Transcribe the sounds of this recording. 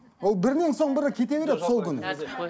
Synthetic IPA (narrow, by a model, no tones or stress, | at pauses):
wo̞lˠbɪɾne̞ŋso̞ɴbɪɾəkʲʰe̞t̪e̞βe̞ɾet̪so̞lˠkʲʰʏnɪ̰